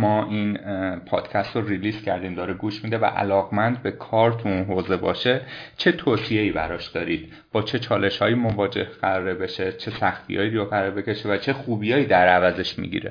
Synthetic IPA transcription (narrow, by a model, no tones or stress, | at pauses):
mɒːʔinpʰɒ̰ːd̪̥cʰæst̪ɾoɾiliːscʰæɾd̪iːmd̪ɒːɾeɡuːʃmiːd̪e̞væ̰ʔæ̰lɒːɣmænd̪be̞kʰɒːɾt̪ʰuunɦoːze̞bɒ̰ːʃe̞t͡ʃʰe̞t̪ʰoːsijeiːbæ̰ɾɒːʃd̪ɒːɾid̪̥̚ | b̥ɒːt͡ʃʰe̞t͡ʃʰɒːle̞ʃhɒːjiːmovɒːd͡ʒe̞̰hɢ̥æɾɒːɾebe̞ʃe̞t͡ʃʰe̞sæxt̪ʰḭjɒ̰ːjiɾijɒɣæɾɒɾbe̞cʰe̞ʃevæt͡ʃʰe̞xuːbijɒːiːd̪æɾævæze̞ʃmḭɟḭɾe̞̰